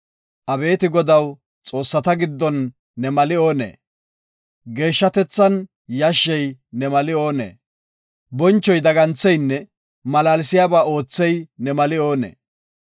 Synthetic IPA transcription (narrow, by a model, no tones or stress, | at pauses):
ʔɐbe̞ːt̪ɪɡɔd̪ɐw | t͡sʼo̞ːsːɐt̪ɐɡɪd̪ːɔnː | ɛmɐlɪo̞ːnḛː | ɡe̞ːʃːɐt̪ɛt͡sːɐn | jɐʃːɛjnɛmɐlɪo̞ːnḛː | bɔnt͡ʃːɔjd̪ɐɡɐnt͡sːɛjnːɛ | mɐlaːlɪsɪjaːbaːo̞ːt͡sːɛjnɛmɐlɪo̞ːnḛː